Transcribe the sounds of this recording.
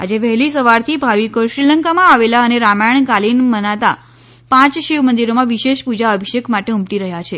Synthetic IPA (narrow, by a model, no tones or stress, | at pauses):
a̰d͡ʒeʋɛɦlisəʋaɾt̪ʰibʱaʋikoʃɾiləŋkamãaʋelaəneɾamaɳkalinmənat̪a | pãt͡ʃʃiʋmənd̪iɾomãʋiʃeʃpud͡ʒaəbʱiʃəkmaʈeumʈiɾəɦjat͡ʃʰe